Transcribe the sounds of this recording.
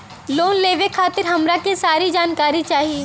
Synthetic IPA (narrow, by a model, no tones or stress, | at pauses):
loːnleːʋekʰaːt̪ɪɾɦɐmɾakisaːɾid͡ʒaːnkaːɾit͡ʃaːɦie